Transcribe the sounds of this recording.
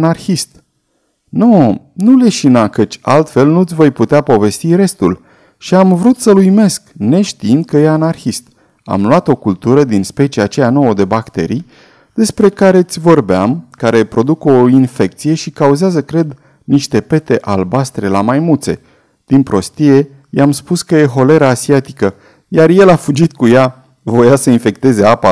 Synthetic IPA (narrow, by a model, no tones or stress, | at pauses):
narxist̪ | nonule̞ʃinakət͡ʃʲalt̪fe̞lnut̪sʲvo̞jput̪eapo̞ve̞st̪iɾe̞st̪ul | ʃiamvɾut̪səlujme̞skne̞ʃt̪iind̪̚kəje̞anarxist̪ | a̰mluat̪o̞kult̪uɾəd̪inspe̞t͡ʃiat͡ʃe̞jano̞wəd̪e̞bakt̪e̞̰ɾij | d̪̥e̞spɾe̞kaɾe̞t̪sʲvo̞rbeamkaɾe̞pɾo̞d̪ukoinfe̞k̚t̪sije̞ʃikauzeazəkɾe̞d̪ | niʃt̪e̞pe̞t̪e̞ʔalbast̪ɾe̞lamajmult̪se̞̰ | d̪̥inpɾo̞st̪ije̞ | jamspuskəje̞ɦo̞le̞ɾaːsiat̪ikə | jarje̞lafud͡ʒit̪kuja | vo̞jasəinfe̞kt̪e̞ze̞apa